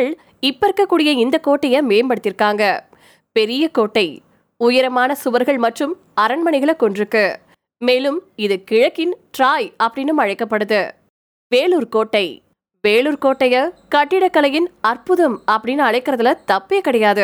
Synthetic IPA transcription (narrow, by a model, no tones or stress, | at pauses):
ɭ | ɪpːɐɾkːɐkːuːɽɪjɐɪnd̪ɐkoːʈːɐjɐmeːmpɐɽɯt̪ːɪɾkːaːŋɡɐ | pɛɾɪjɐkoːʈːɐɪ | ʊjɐɾɐmaːnɐsʊʋɐɾɣɐɭmɐʈrɯm | ɐɾɐɳmɐnɪɣɐɭɐkːɔɳdrɯkːɯ | meːlɯmɪðɯkɪɻɐkːɪnʈɾaːjɐpːɐɽɪnːɯmɐɻɐɪkːɐpːɐɽɯðɯ | ʋeːɭuːɾkoːʈːɐɪ | ʋeːluːɾkoːʈːɐjɐkɐʈːɪɽɐkːɐlɐjɪnɐrpɯðɐmɐpːɐɽɪnɯɐɻɐɪkːɪɾɐðɐlɐt̪ɐpːekːɐɽɐjaːðɯ